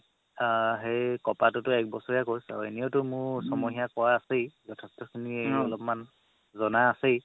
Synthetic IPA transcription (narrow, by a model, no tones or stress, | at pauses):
ɦejkɔpatʊtʊɛk̚bɔsɔɹijakoɹjsa̰ʊḛnijotʊmʊɹsɔmɔɦijakɔwaːsejzɔtʰɛstɔkʰiniejɔlɔpɔman | zɔnaːsej